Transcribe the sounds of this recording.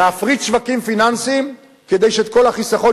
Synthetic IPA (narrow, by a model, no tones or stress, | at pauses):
fʁitʃvakimfinansim | ked̪e̞jʃeeːt̪ko̞laχisaχo̞